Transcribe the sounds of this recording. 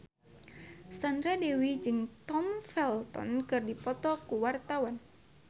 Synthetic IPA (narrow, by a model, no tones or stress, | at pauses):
sandɾadewid͡ʒɨŋt̪ɔmfɛlt̪ɔ̰nkɨrdipɔt̪ɔkuwart̪awan